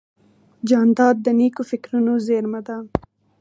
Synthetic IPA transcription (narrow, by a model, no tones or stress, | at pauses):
d͡ʒɑnd̪ɑd̪̚ːənikofɪkɾunozeɾmad̪a